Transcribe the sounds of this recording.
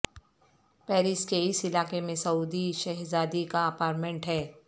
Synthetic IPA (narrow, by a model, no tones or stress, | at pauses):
pɛːɾɪskeɪsɪlaːkemẽsɐuːd̪iʃɛɦzaːd̪ikaɐpaːɾʈmẽɳʈɦɛː